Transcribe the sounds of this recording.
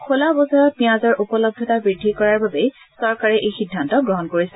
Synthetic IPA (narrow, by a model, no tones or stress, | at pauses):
kʰolabɔzɔɹɔt̚piãzɔɹʔupɔlɔb̚dʱɔtabɹidʱːikɔɹaɹbabɛ | sɔɹkaɹɛʔejxidʱːantɔɡɹɔɦɔnkoɹisɛ